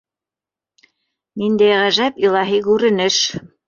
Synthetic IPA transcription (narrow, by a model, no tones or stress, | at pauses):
nind̪æjʁæʒæpilˠɑɦikʉɾɘ̆nɘʃ